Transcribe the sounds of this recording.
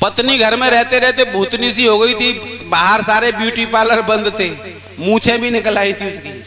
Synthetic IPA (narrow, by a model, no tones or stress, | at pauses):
pɐt̪niɡʱɐɾmẽɾɛɦt̪eɾɛɦt̪ebʱuːt̪nisiɦoɡəit̪ʰibaːɦəɾsaːɾebjuːʈipaːləɾbɐ̃nd̪t̪ʰeː | mũːt͡ʃʰẽbʱinɪkəlaːit̪ʰiʊskiː